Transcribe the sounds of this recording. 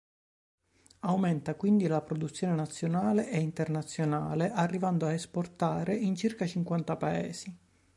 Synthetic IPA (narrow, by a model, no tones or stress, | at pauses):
awmɛnt̪akwind̪ilapɾod̪ut̪sːjoːnenat̪sːjonaːleʔeint̪ernat̪sːjonaːleʔarːivand̪oaesport̪aːɾeint͡ʃirkat͡ʃiŋkwant̪apaɛ̰ːsi